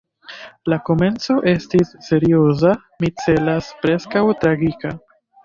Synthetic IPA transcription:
lako̞me̞nt͡so̞ʔe̞stisːe̞ɾio̞za | mit͡se̞laspɾe̞skawtɾaɡika

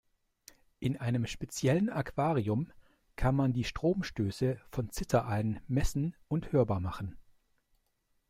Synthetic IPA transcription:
ʔɪnʔaɪnəmʃpet͡sjɛlənakv̥aːʁiʊm | kʰanmandiːʃtʁ̥oːmʃtøːsəfɔnt͡sɪtʰɐʔalnmɛsn̩ʊnthøːɐbaːɐmaχn̩

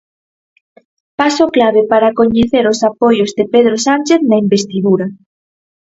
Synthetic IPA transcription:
pasoklaβ̞epaɾakoɲeθeɾosapojozðepeð̞ɾosant͡ʃeθnaimbest̪iðuɾa

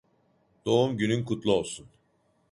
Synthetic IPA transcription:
d̪̥o̞umɟynynkʰut̪lˠuo̞lˠsun

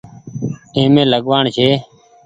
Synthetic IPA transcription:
ẽːmẽːləɠʋaːɳʃʰeː

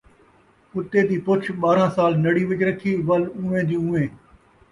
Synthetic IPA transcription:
ʊt̪eːd̪iːpʊt͡ʃʰɓaːɾãːsaːlnɐɽiːʋɪd͡ʒɾəkʰiːʋɐlũːʋẽːd̪iːũːẽː

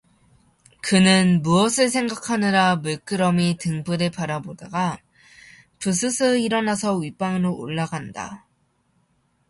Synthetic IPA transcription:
kɯnɯnmuʌsʰɯɭsʰe̞ŋɡakʰanɯɾamuɭk͈ɯɾʌmitɯŋbɯɾepaɾabodaɡa | pus̬ʰɯsʰɯiɾʌnasʰʌɥip͈aŋɯɾoʔo̰ɭːaɡanda̰

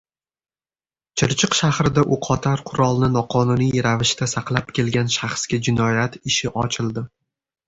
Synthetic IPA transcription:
t͡ʃʰɪɾt͡ʃʰɨqʃahɾɪd̪aʔʊqʰɒt̪ʰaɾqʰʊɾɒlˠnɪnɒqʰɒnʊnijɾavɪʃt̪asaqlˠapkʲe̞lɡʲanʃaχsɡʲad͡ʒɪnɒjat̪ʰɪʃɪʔɒt͡ʃʰɪlˠd̪ɪ

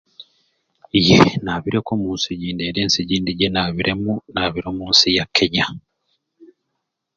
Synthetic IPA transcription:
ijḛnaβiɾekomuːnsiɟiːndeɾeːnsiɟiːndiɟenaβiɾʔe̞munaβiɾomuːnsijakʰe̞ɲa

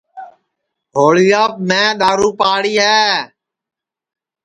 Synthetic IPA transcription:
ɦoːliːəp̚mɛ̃ːɗ̪aːɾuːpaːɽiːɦɛː

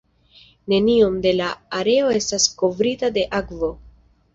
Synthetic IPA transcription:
ne̞nio̞md̪e̞laːɾe̞o̞e̞stasko̞vɾitade̞ʔakvo̞

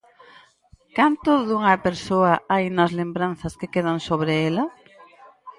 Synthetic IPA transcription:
kant̪ʊðuŋɐpeɾsoɐajnɐzlembɾanθɐskekeð̞ɐnsoβ̞ɾeelɐ

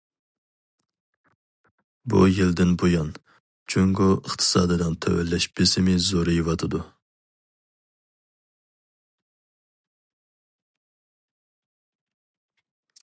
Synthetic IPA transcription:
bṵjild̪ɪnbojɑn | t͡ʃʰyŋɡoəχt̪ʰɨ̥sɑ̰ːd̪ɨd̪ɑnt̪ʰɛ̰wɛ̰lːɛʃbɪsɪmɪzoɾɨjivɑt̪ʰɨd̪u

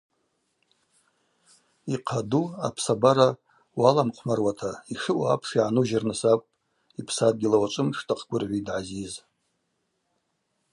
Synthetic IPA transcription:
iqʰadua̰pʰsabaɾa | walamqʷʰmarwatʰaiʂɨʔaa̰pʰʂiʕanuʒarnɨsakʷʼpʼ | ipʰsad̚ɡʲɪlawat͡ʃʷʼɨmʂtʰʼaqʰɡʷʊrʕʷidʕaziz

